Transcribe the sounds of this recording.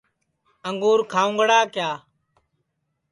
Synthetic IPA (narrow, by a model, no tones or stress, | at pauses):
əŋɡuːɾkʰaːʊ̃ŋɡɽaːkjaː